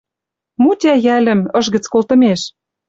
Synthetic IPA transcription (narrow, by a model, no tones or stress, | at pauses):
mut̪ʲæjælə̆mɤ̆ʃɣə̆t͡skolt̪ɤ̆meʃ